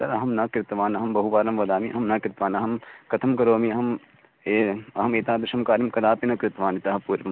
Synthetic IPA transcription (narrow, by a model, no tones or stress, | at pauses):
t̪ɐɾɐɦɐmnɐkɾɪt̪ʋaːnɐɦɐmbɐɦuʋaːɾɐmʋɐd̪aːmiʔɐɦɐmnɐkɾɪt̪ʋaːnɐɦɐmkɐt̪ʰɐmkɐɾoːmiɐɦɐm | eɐɦɐmeːt̪ãːd̪ɾɪʃɐmkaːɾimkɐd̪aːpinɐkɾɪt̪ʋaːnit̪ɐɦɐpuːɾʋɐm